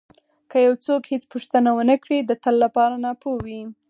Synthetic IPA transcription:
kəjawt͡sokhet͡spuʂt̪ənawənəkɽid̪ət̪əlːapɑɾanɑpowi

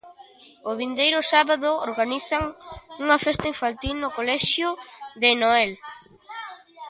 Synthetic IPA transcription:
ʊβind̪ejɾʊsaβaðʊoɾɣaniθaŋuŋɐfɛst̪aiɱfant̪ilnʊkolɛʃjʊðenoɛl

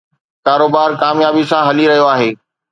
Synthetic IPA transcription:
kaːɾoːbaːɾkaːmjaːbisãɦɐliɾɐɦijoaːɦeː

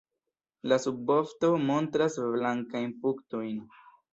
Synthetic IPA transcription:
lasubofto̞mo̞ntɾasblaŋkajnpukto̞jn

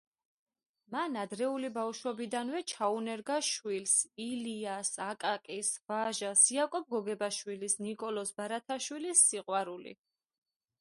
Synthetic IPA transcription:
manad̪ɾɛulibawʃwɔbid̪anwɛt͡ʃʰaunɛɾɡaʃwilsiliasakʼakʼisvaʒasiakʼɔb̚ɡɔɡɛbaʃwilisnikʼɔlɔsbaɾat̪ʰaʃwilisːiqʼwaɾulḭ

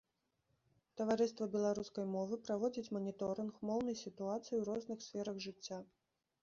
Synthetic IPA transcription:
t̪ɐvaɾɨst̪vɐbʲɛlˠaɾuskɐjmɔvɨpɾavɔd͡zʲit͡sʲmɐnʲit̪ɔɾɨnxmɔwnɐjsʲit̪uat̪sɨjiwɾɔznɨxsʲfʲɛɾɐɣʐɨt͡sʲːa

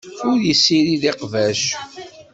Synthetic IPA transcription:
ʊɾjəsːiɾiðeqvæʃ

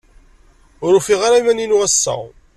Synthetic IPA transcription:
ʊɾʊfiʁaɾamæninʊʁæsːa̰

